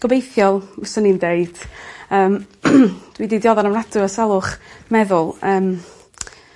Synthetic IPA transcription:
ɡ̥əbejθjɔlˠsənindeɨd̥əːm | d̥wididjɔðɔnəmradɨɔsalˠʊχmɛðʊlˠəːm

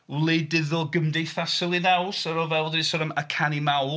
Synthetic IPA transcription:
wlˠɪdɪðɔlˠɡəmdejθasɪlˠinawsəɾɔvɛlˠdɪsɔɾəməkʰanimaw

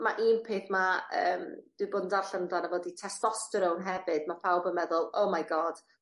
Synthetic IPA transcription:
maʔiːnpʰeːθmaəːmd̥wɨboːdn̩darɬəndanavoːditʰɛstɔstəɾownɦɛvɨd̥mapʰawbəmɛðʊlˠowmajɡɔd̥

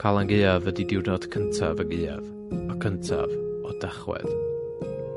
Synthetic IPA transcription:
kʰalˠaŋɡejavədidɪwrnɔd̥kʰəntʰa̰vəŋeːa̰v | ɔkʰəntʰa̰vɔdaχwɛ̰ð

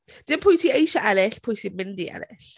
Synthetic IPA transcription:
d̥ɪnpʰʊjtʰiejʃaʔalɪɬpʰʊjtʰimɪndia̰lɪ̰ɬ

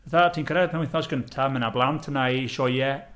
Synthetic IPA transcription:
vaθatʰiːnkʰəɾɛdpʰɛnwɪ̃θɔsɡ̥əntʰamənablˠantʰənaiʃɔjɛ

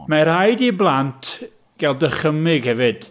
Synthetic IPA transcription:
maɾhajdiblˠantʰ | ɡ̥ɛlˠdəχəmɪɡhɛvɨd̥

